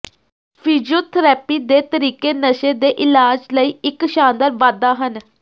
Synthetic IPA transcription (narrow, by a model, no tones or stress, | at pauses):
pʰiːd͡ʒioːt̪ʰəɾɛːpiːd̪eːt̪əɾiːkeːnəʃeːd̪eːʔɪlaːd͡ʒləiːɪkʃãːnd̪əɾʋaːd̪aːɦən